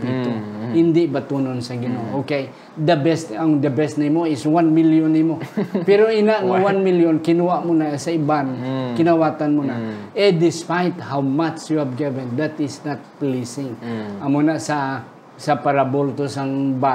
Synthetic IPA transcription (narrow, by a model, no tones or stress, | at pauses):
pit̪oɪnd̪ɪʔbat̪unonsɐɡɪnoʔʔokej | d̪ɐbɛst̪aŋd̪ɐbɛst̪nimoɪswanmiljonːɪmopɛɾoinaʔŋawanmiljonkɪnuwaʔmʊnasaibankɪnawaːt̪anmonaɛd̪ɪspajt̪hawmat͡ʃjuhabɡivɛnd̪at̪ɪsnat̪̚plisɪŋamonasa | sapaɾabolt̪osaŋba